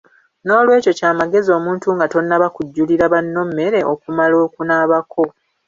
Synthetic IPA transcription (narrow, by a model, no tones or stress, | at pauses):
no̞ːlwe̞ːco̞caːmaɡe̞zio̞ːmuːntuŋɡato̞nːaβakuɟːuliɾaβanːo̞mːe̞ɾe̞ʔo̞kumalo̞ːkunaːβakʰo̞